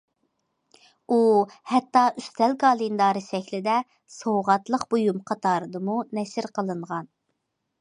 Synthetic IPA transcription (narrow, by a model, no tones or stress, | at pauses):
uhɛt̪ːɑʔyst̪ʰɛlɡɑːlˠind̪ɑːɾɨʃɛkʲlɪd̪ɛ | sowʁɑt̪lˠəqbojumqʰɑt̪ʰɑːɾɨd̪ɨmunɛʃɪɾqəlˠɨɴʁɑn